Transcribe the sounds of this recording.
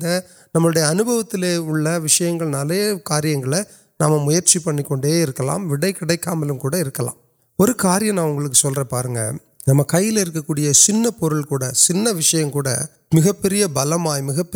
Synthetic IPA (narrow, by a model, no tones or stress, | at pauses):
d̪ɐ | nɐmːɐɭɯɽɐjɐːnɯbɐʋɐt̪ːɪleːʊɭːɐʋɪʂɐjɐŋɡɐɭnɐlɐjɐkaːɾɪjɐŋɡɐɭɐ | naːmːɐmʊjɐɾt͡ʃipɐɳːɪkːɔɳɖeːɪɾɯkːɐla̰ːmʋɪɽɐɪkɪɽɐɪkːaːmɐlɯmkuːɽɐɪɾɯkːɐla̰ːm | ɔɾɯkaːɾɪjɐ̃mnãːʊŋɡɐɭɯk̬ːɯsɔlrɐpa̰ːɾɯŋɡɐ̰ | nɐmːɐkɐjːɪlɪɾɯkːɐkːuːɽɪjɐsɪnːɐpɔɾɯɭkuːɽɐsɪnːɐʋɪʂɐjɐmkuːɽɐ̰ | mɪɣɐpːɛɾɪjɐbɐlɐmaːjmɪɣɐpː